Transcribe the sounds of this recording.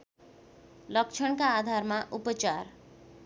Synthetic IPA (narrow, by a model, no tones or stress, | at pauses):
lʌk̚t͡ʃʰʌɽ̃kaːd̪ʱarmaʔupʌt͡ʃar